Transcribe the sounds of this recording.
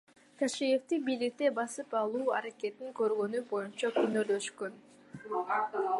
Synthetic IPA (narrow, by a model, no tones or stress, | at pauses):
kʰaʃije̞ft̪ibijlik̚t̪e̞bɑsɯpɑlˠuːɑɾake̞t̪iŋkø̞ɾɡø̞nybo̞junt͡ʃɑkynøɾld̪ø̞ʃkøn